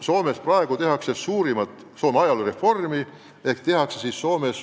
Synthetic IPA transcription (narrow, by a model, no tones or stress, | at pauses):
so̞ːme̞sprɑeɡ̥ut̪e̞ɦɑksesuːɾimɑt̪ˑ | so̞ːmeɑjɑlure̞fo̞rmi | e̞kt̪e̞ɦɑksesisːo̞ːme̞s